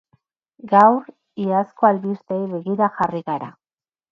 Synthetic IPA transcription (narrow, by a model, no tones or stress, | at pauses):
ɡawr | iaskoalβist̪ejβe̞ɣiɾaxariɣaɾa̰